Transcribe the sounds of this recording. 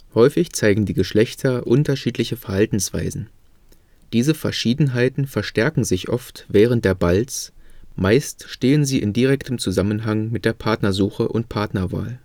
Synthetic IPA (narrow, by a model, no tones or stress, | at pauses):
hɔʏfɪçt͡saɪɡŋ̩diːɡəʃlɛçtʰɐʔʊntɐʃiːtlɪçəfɛɐhaltn̩sv̥a̰ɪzn̩ | d̥iːzəfɛɐʃiːdn̩ɦaɪtn̩fɛɐʃtɛɐkŋ̩zɪçʔɔ̰ftv̥ɛːʁ̞ənt̚d̥eːɐbalt͡smaɪstʃteːənziːʔɪndiʁ̞ɛktʰəmt͡suzamənɦaŋmɪt̚d̥eːɐpʰaɐtnɐzuːxəʔʊ̰ntpʰaɐtnɐva̰ːl